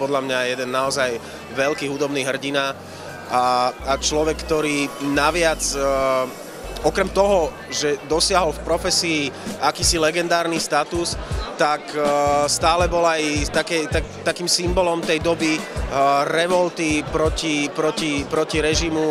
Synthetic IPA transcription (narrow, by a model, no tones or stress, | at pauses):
pɔd̪ʎamɲajɛd̪ɛnːaɔzaj | ʋɛlkiːɦud̪ɔbniːɦr̩ɟina | aːt͡ʃlɔʋɛkːt̪ɔɾiːnaʋɪad͡z | ɔkɾɛmt̪ɔɦɔ | ʒɛd̪ɔsɪaɦɔlfpɾɔfɛsiːakiːsilɛɡɛnd̪aːɾnist̪at̪ust̪akst̪aːlɛbɔlajt̪akɛjt̪at̪akiːmsimbɔlɔmt̪ɛjd̪ɔbi | ɾɛʋɔlt̪ipɾɔcipɾɔcipɾɔciɾɛʒimu